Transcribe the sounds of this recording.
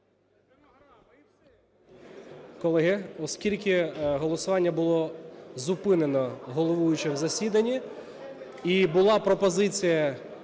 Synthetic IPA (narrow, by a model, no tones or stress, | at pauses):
kɔlˠɛɦɪɔskʲilʲkʲɪɦɔlˠɔsʊʋɑnʲːɐbʊlˠɔzʊpɪnenɔɦɔlˠɔʋujʊt͡ʃɪwzɐsʲid̪ɐnʲːi | ibʊlˠɑpɾɔpɔzɪt͡sʲijɐ